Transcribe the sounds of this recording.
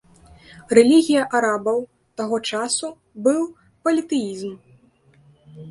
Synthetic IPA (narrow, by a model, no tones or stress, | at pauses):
rɛlʲiɣʲijɐʔaɾabɐw | t̪aɣɔt͡ʂasu | bɨw | pɐlʲit̪ɨjizm